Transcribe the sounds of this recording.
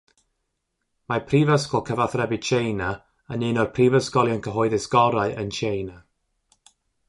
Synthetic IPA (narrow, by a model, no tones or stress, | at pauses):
marpʰriːvəskɔlˠkʰəvaθrɛbɨt͡ʃʰejna | ənɨnɔrpʰriːvəskɔlˠjɔnkʰəɦɔɨðɪsɡɔɾaɨʔənt͡ʃejna